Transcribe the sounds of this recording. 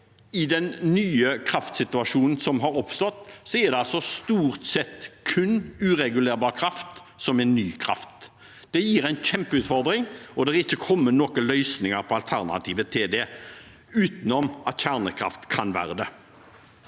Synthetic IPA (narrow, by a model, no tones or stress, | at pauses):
ɪd̪ɛnːyːəkʰɾɑft̪sɪt̪ʉɑʂuːnn̩sɔmɦɑɾɔpst̪ɔt̪ːsɔɛʁd̪ɛɑlsɔst̪uːʁt̪sɛt̪ːkʰʉnʉːʁɛɡʉleːɾbɑːʁkʰɾɑft̪ | sɔmɛnːyːkʰɾɑ̰ft̪ | d̪̥ɛjiːɾæɪnçɛmpəʉːt̪fɔɾd̪ɾɪŋɔd̪ɛɛɾɪçːəkʰɔmːənɔkəlœʏsnɪŋəɾpʰɔɑlt̪ʰæʁnɑ̰t̪ʰiːʋət̪ʰɪd̪ɛ | ʉːt̪nɔmɑt̪çæʁnəkʰɾɑ̰ft̪kʰɑnʋæ̰ːɾəd̪ɛ